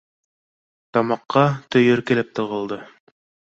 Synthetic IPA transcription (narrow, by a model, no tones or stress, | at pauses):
t̪ɑmɑqːɑt̪ɵ̆jɵɾkɘ̆lɘp̚t̪ɤ̆ʁɤ̆lˠd̪ɤ